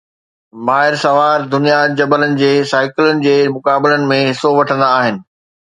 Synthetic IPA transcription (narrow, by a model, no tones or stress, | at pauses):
maːɦɪɾsɐʋaːɾd̪ʊnijad͡ʑɐbələnɪ̆d͡ʑeːsaːɪkɪlʊnɪ̆d͡ʑeːmʊkaːbɪlənɪ̆mẽɦɪsoʋɐʈʰə̃nd̪aːɦɪnɪ̆